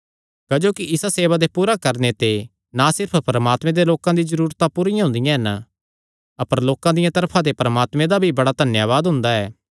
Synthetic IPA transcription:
kɐd͡ʒoːkiʔɪsaseːʋad̪epuːɾakɐɾnet̪e | nasɪɾpʰpɾɐmaːt̪mẽd̪eloːkãd̪izɐɾuːɾt̪apʊɾɪjãɦʊ̃nd̪ɪjãɦɛnə | ɐpəɾloːkãd̪ɪjãt̪ɐɾpʰãt̪̬epɾɐmaːt̪mẽd̪abʱibɐɽad̪ʱɐnjaːʋaːd̪ɦʊ̃nd̪aɛː

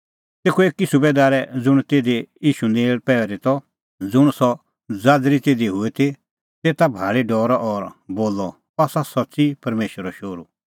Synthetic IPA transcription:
t̪eːkʰueːkːisʊbeːd̪aːɾɛd͡zʊɽ̃t̪eːd̪ejiːʃuneːɭpɛːɛɾit̪ɔ | d͡zʊɽ̃sɔ | d͡zaːd̪ɾit̪eːd̪iɦʊet̪ʰi | t̪eːt̪abʱaːɭiɖɔːɾɔʔɔɾboːlːɔ | aːsasɔtːsipɐɾmeːʃʋəɾɔʃoːɾu

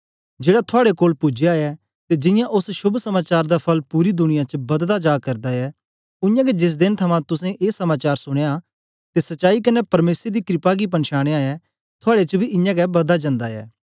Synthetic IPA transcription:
d͡ʒeːɽat̪ʰʊaːɽekoːlpʊd͡ʒeaːjɛ | t̪ed͡ʒɪ̃jãʔʊsʃʊbʱsɐmaːt͡ʃaːɾd̪apʰɐlpuːɾid̪ʊɽ̃ɪjãt͡ʃəbɐd̪d̪ad͡ʒaːkɐɾd̪aɛ | ʊ̃jãːɡɛd͡ʒɪs̬d̪ɪnt̪ʰɐmãt̪ʊsɛ̃ʔeːsɐmaːt͡ʃaːɾsʊɽ̃eja | t̪esɐtːt͡ʃaːikɐnɛpɐɾmeːsɾed̪ikɾɪpaɡip̬ɐnʃaːɽ̃eaːjɛ | t̪ʰʊaːɽet͡ʃəbʱiʔɪ̃jãːɡɛbɐd̪ad͡ʒɐ̃nd̪aɛ̰ː

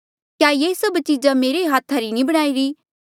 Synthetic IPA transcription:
kjaːjeːsɐbt͡ʃid͡ʒameːɾeɦaːt̪ʰaɾinĩbɐɽ̃aːiɾiː

